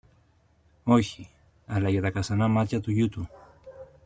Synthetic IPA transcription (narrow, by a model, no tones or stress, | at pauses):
o̞çi | ɐlɐʝɐt̪ɐkɐsɐnɐmɐt̪çɐt̪uʝut̪u